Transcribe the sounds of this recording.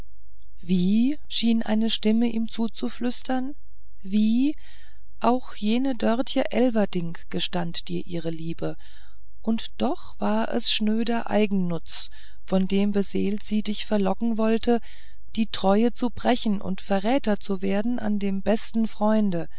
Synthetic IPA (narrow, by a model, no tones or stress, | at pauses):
viː | ʃiːnʔa̰ɪnəʃtɪməʔiːmt͡suːt͡suflʏstʰɐn | viː | ʔaʊxjeːnədœɐtçəʔɛlvɐdɪŋkɡ̥əʃtantd̥iːɐʔiːʁ̞əliːbə | ʔʊntd̥ɔχv̥aːɐʔɛ̰sʃnøːdɐʔa̰ɪɡŋ̩nʊt͡s | fɔndeːmbəzeːltz̥iːdɪçfɛɐlɔkŋ̩vɔltʰə | d̥iːtʁ̥ɔʏət͡subʁ̥ɛçn̩ʔʊ̰ntfɛɐʁɛːtɐt͡suveːɐdn̩ʔa̰ndeːmbɛstn̩fʁ̥ɔʏndə